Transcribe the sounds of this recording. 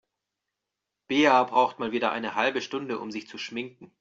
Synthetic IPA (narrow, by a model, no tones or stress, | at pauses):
b̥eːabʁaʊxtmaːlviːdɐʔa̰ɪnəhalbəʃtʊndəʔʊ̰mzɪçt͡suʃmɪŋk̚ŋ̩